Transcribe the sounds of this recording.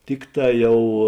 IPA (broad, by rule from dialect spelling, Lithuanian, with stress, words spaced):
ˈtʲɪkˌtɑː ˈjɛʊ